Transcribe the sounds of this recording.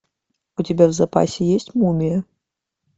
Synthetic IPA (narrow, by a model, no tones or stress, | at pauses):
ut͡sʲabʲɛwzapa̰sʲɛjesʲt͡sʲmumʲijɐ